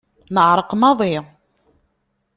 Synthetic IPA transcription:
nəʕɾˤəqmɑðˤi

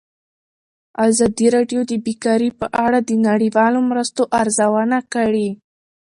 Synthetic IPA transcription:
azɑd̪iɾɑɖjod̪əbikɑɾipəʔaɽad̪ənaɽiwɑlomɾəst̪oʔaɾzawanakəɽi

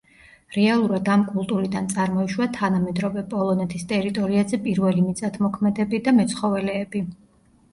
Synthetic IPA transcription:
ɾɛalˠuɾad̪amkʼulˠt̪ʼuɾid̪ant̪sʼaɾmɔiʃwat̪ʰanamɛd̪ɾɔvɛpʼɔlˠɔnɛt̪ʰist̪ʼɛɾit̪ʼɔɾiazɛpʼiɾvɛlimit̪sʼat̪ʰmɔkʰmɛd̪ɛbid̪amɛt̪sʰχɔvɛlɛːbi

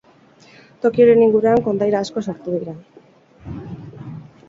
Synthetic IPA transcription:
t̪o̞kioɾe̞niŋɡuɾuaŋko̞nd̪ajɾaːsko̞soɾt̪uðiɾa

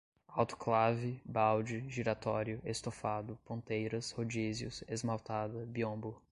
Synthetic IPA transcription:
awt̪ʊ̥klavɪbawd͡ʒɪʒiɾat̪ɔɾjʊʔest̪ofad̪ʊpõnt̪ejɾɐshod͡ʒizjʊ̰sezmawt̪ad̪ɐbiõbʊ

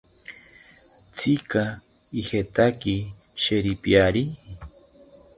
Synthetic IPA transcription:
t͡sʰika | ixet̪aki | ʃeɾipjaɾi

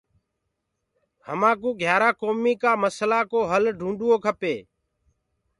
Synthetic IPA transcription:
həmãːk̬ũːɡʱjaːɾaːkoːmiːkaːməslaːkoːɦəlɖʱũːɳɖʊoːkʰəpeː

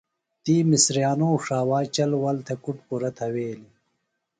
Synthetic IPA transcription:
t̪iːmisɾijaːnoːʂaːwaːt͡ɕɐlwɐlt̪ʰekuʈpuɾɐt̪ʰɐweːli

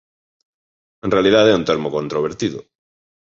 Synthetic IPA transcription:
enrealiðaðɛunt̪eɾmokont̪ɾoβeɾt̪iðʊ̰

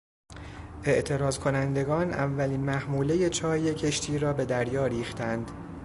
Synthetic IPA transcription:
ʔe̞ʔt̪ʰe̞ɾɒːzkʰo̞nænd̪e̞ɡɒːnʔæ̰vːæliːnmæhmuːle̞je̞t͡ʃʰɒːje̞cʰe̞ʃt̪ʰiːɾɒːbe̞d̪æɾjɒːɾiːxt̪ænd̪

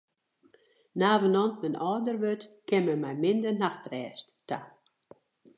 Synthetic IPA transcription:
naːvənɔntmɛnɔːdərʋøtkɛməmɛjmɪndərnaxtrɛːstta

